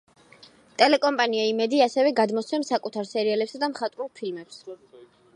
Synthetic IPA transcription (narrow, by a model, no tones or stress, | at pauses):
t̪ʼɛlɛkʼɔmpʼaniaimɛd̪iasɛvɛɡad̪mɔt̪sʰɛmsakʼut̪ʰaɾsɛɾialɛpsad̪amχat̪ʼɾulˠpʰilmɛps